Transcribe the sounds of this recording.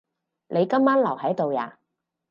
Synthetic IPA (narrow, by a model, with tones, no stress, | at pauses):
lʔe˨˧jkɐ˥mːaː˥nlɐ˨˩whɐ˨˥jt̪o˨wja̰ː˨˩